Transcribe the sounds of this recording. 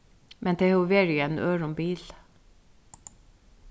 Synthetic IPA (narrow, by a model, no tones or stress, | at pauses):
mɛnd̪ʰeːhʉʋeːɹiːeːnʔøːɹʊmbiːl